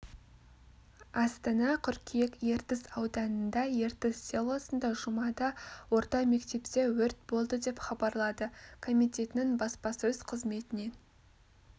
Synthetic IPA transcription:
ɑst̪ɑnɑqʲʰʏɾkʲʰijekje̞ɾt̪ɪzɑwd̪ɑnənd̪ɑje̞ɾt̪ɪzsʲelˠosənd̪ɑʒʊmɑd̪ɑwo̞ɾt̪ɑme̞kt̪e̞pt̪e̞wɵɾt̪̚bo̞lˠd̪əd̪e̞pχɑbɑɾlˠɑd̪əkʰo̞mʲijt̪e̞t̪ɪnɪŋbɑspɑsɵzqʰəzme̞t̪ɪne̞

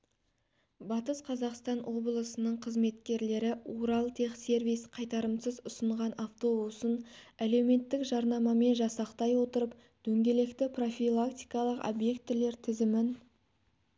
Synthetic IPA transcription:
bɑt̪əsqʰɑzɑqst̪ɑnwʔo̞blˠəsənəɴqʰəzme̞t̪kʲe̞ɾle̞ɾɪuɾɑlˠt̪ʰe̞qse̞ɾvijsqʰɑjt̪ɑɾəmsəzʊsəɴʁɑnaft̪o̞busənæle̞wme̞t̪ːɪkʒɑɾnɑmɑme̞nʒɑsɑqt̪ɑjwo̞t̪əɾəp | d̪̥ɵŋɡʲe̞le̞kt̪ɪpro̞fʲilˠakt̪ijkɑlˠəqo̰bje̞kt̪ːɪle̞ɾt̪ʰɪzɪmɪn

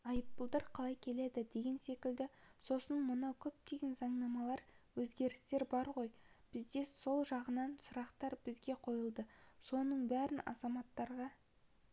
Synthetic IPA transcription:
ɑjəp̚ːəlˠd̪əɾqʰɑlˠɑjkʲʰe̞le̞d̪ɪd̪e̞ɡʲe̞nse̞kʲɪld̪ɪso̞sənmʊnɑkʲʰɵp̚t̪e̞ɡʲe̞nzɑɴnɑmɑlˠɑɾ | wɵzɡʲe̞ɾɪst̪e̞ɾbɑɾʁo̞j | b̥ɪzd̪e̞so̞lˠʒɑʁənɑnsʊɾɑqt̪ɑɾb̥ɪzɡʲe̞qʰo̞jəlˠd̪əso̞nəɴbæɾɪnɑ̰zɑmɑt̪ːɑɾʁɑ

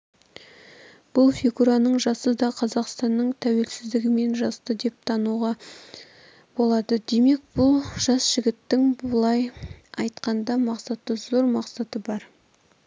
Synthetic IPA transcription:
b̥ʊlˠfʲiɡuɾanəɴʒɑsəd̪ɑqʰɑzɑqst̪ɑnːəɴt̪ʰæwe̞lsɪzd̪ɪɡʲɪme̞nʒɑst̪əd̪e̞p̚t̪ʰɑnuʁɑ | bo̞lˠɑd̪əd̪e̞me̞k̚b̥ʊlˠʒɑsʒ̥ɪɡʲɪt̪ːɪŋbʊlˠɑjɑjt̪qɑnd̪ɑmɑqsɑt̪əzo̞ɾmɑqsɑt̪əbɑɾ

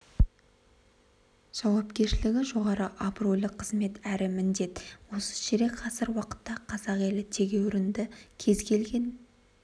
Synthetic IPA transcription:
ʒ̥ɑwɑpkʲe̞ɾʃɪlɪɡʲɪʒo̞ʁɑɾəʔɑbro̞jlɪqʰːəzme̞t̪æɾɪmɪnd̪e̞t̪wo̞sə̥ʃeɾe̞kqʰɑsəɾwɑqə̥t̪ːɑqʰɑzɑqe̞lɪt̪ʰe̞ɡʲe̞wɾɪnd̪ɪkʲʰe̞zkʲʰe̞lɡʲe̞n

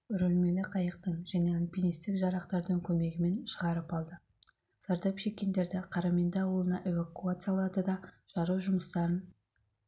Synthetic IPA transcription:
ʏɾɵlme̞lɪqʰɑjəq̚t̪əɴʒ̥æne̞ɑnpʲinijst̪ɪkʒɑɾɑqt̪ɑɾd̪əŋkʲʰɵme̞ɡʲɪme̞nʃəʁɑɾəpɑlˠd̪ə | sɑɾd̪ɑpʃe̞kʲːe̞nd̪e̞ɾd̪ɪqʰɑɾɑme̞nd̪ɑɑwəlˠənɑʔe̞vakuat̪sɨjalˠɑd̪əd̪ɑ | ʒ̥ɑɾuwʒʊməst̪ɑɾən

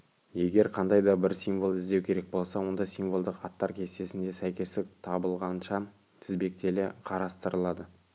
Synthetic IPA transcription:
je̞ɡʲe̞ɾqʰɑnd̪ɑjd̪ɑbɪɾsimvolˠɪzd̪e̞wkʲʰe̞ɾe̞k̚bo̞lˠsɑwo̞nd̪ɑsimvo̞lˠd̪əqɑt̪ːɑɾkʲʰe̞st̪e̞sɪnd̪e̞sæjkʲe̞st̪ɪk̚t̪ʰɑbəlˠʁɑnʃɑ | t̪ʰɪzbe̞k̚t̪ʰe̞leqʰɑɾɑst̪əɾəlˠɑd̪ə

